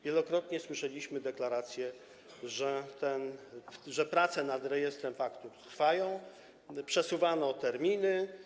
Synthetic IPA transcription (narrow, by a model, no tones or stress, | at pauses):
vʲjɛlɔkɾɔt̪ɲɛswɘʂɛlʲiɕmɘd̪ɛklaɾat̪sʲjɛ | ʐɛt̪ɛnʐɛpɾat̪sɛnad̪ɾɛjɛst̪ɾɛmfakt̪ut̪ɾfajɔ̃w̃ | pʂɛsuvanɔt̪ɛɾmʲinɘ